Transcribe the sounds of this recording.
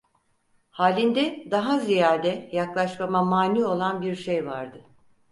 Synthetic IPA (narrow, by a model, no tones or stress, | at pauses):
haːlʲind̪ɛd̪aɦazijaɾd̪ɛjaklˠaʃmamamaːnyːo̞lˠanbiɾʃejva̰ɾd̪ɯ